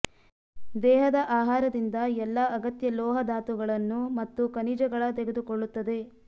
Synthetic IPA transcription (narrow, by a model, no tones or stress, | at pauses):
d̪ɛːɦɐd̪ɐʔaːɦaːɾɐd̪ind̪ɐɛlːɐɐɡɐt̪jɐlɔːɦɐd̪aːt̪uɡɐɭɐnːumɐt̪ːukɐnid͡ʒɐɡɐɭɐt̪eɡe̞d̪ukoɭːut̪ːɐd̪e̞